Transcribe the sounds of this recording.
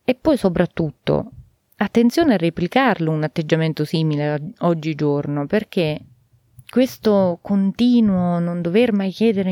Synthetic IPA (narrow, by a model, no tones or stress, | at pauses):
epːɔjsopɾat̪ːut̪ːo̰ | at̪ːent̪sjoːnearːeplikarlounat̪ːed͡ʒːament̪osiːmileɔd͡ʒːid͡ʒornoperk̟e | kwest̪okont̪iːnwonond̪overmajk̟jɛːd̪eɾe